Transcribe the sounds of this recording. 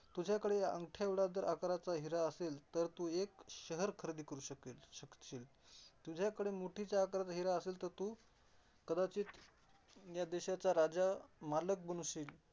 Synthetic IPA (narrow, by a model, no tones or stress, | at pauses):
t̪ud͡ʑʱjakəɽeə̰ŋɡʈʰjaʋɽad̪əɾʔakɾat͡saɦiɾaəselt̪əɾt̪uːekɕəɦəɾkʰəɾd̪iːkəɾuːɕəkilɕəkiːl | t̪ud͡ʑʱjakəɽemoʈʰit͡ɕjaːkɾat͡saɦiɾaəselt̪əɾt̪uː | kəd̪at͡ɕiːt̪ | jad̪eɕat͡saɾad͡zamalək̚bənusiːl